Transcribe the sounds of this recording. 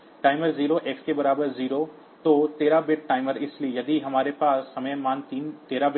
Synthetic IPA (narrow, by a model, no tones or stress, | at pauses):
ʈaːɪməɾziːɾoʔekskebɐɾaːbəɾziːɾo | t̪ot̪eːɾabɪʈ̚ʈaːɪməɾɪslijɐd̪iɦɐmaːɾepaːsːɐməmaːnt̪iːnt̪eːɾabɪ